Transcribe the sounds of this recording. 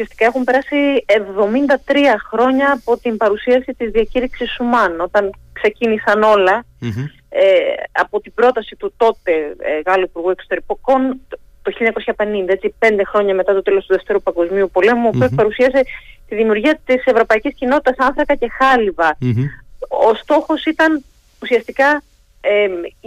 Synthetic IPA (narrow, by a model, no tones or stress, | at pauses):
usiɐst̪i̥kɐe̞xumpe̞ɾɐsievðo̞mind̪ɐt̪ɾiɐxɾo̞ɲɐːpo̞t̪imbɐɾusiɐsit̪izðiɐciɾiksisːumɐno̞t̪ɐnkse̞cinisɐno̞lɐ | eɐpo̞t̪ibɾo̞t̪ɐsit̪ut̪o̞t̪e̞ɣɐloipuɾɣue̞ksot̪e̞ɾikoko̞n | t̪oçiʎɐɲɐko̞sçɐpe̞nind̪ɐe̞t͡sipe̞nd̪e̞xɾo̞ɲɐme̞t̪ɐt̪o̞t̪e̞lo̞st̪uðe̞ft̪e̞ɾupɐŋɡo̞zmiupo̞le̞muopoopɐɾusiɐset̪iðimiuɾʝiɐt̪ise̞vɾo̞pɐiciscino̞t̪i̥t̪ɐsɐnθɾɐkɐce̞xɐlivɐ | ost̪o̞xo̞sit̪ɐn | usiɐst̪ikɐ | e